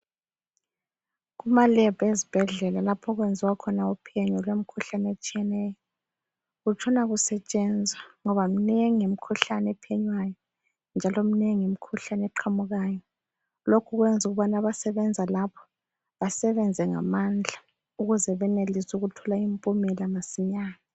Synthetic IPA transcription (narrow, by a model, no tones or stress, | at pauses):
ɣumalɛb̥ʱezib̥ʱɛɮɛlalapʰɔɣwend͡zʱiwakʰɔnaupʰiɛɲɔlwem̩kʰuɬanet͡ʃʼijɛnɛjɔ | ɣut͡ʃʰɔnaɣusɛt͡ʃʼɛnd͡zʱwaŋɔβam̩neŋiem̩kʰuɬanepʰiɛɲwajɔ | nd͡ʒʱalom̩neŋiem̩kʰuɬanɛǃʰamuɣaːjɔ | lokʰuɣwɛnd͡zʱuɣuβanaβasɛβɛnd͡zʱalapʰɔ̥ | βasɛβɛnd͡zʱɛŋa̰mand͡ɮʱa | uɣuzɛβɛnelisuɣutʰɔlaimpʼumɛlamasiɲaːna